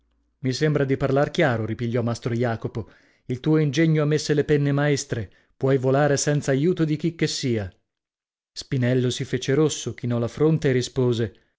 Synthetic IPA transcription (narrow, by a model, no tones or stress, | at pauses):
misembɾad̪iparlark̟jaːɾoɾipiʎːɔmːast̪ɾojaːkopo | ilt̪uːoind͡ʒeɲːoamːesːelepɛnːemaest̪ɾe | pwɔjvolaːɾesɛnt̪saːjuːt̪od̪ik̟ik̟ːesːiːa | spinɛlːosifeːt͡ʃeɾosːok̟inɔlafɾont̪eːrːispoːze